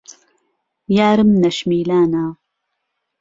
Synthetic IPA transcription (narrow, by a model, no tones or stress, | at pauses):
jaːɾɨmnɐʃmiːlaːnaː